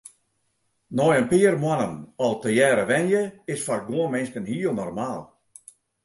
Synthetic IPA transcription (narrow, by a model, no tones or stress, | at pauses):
nɔjənpiːərmwanənɔlˠtəjɛːɾəʋɛnjəɪsfɔrɡuənmɪnskənhiəlˠnɔrmaːlˠ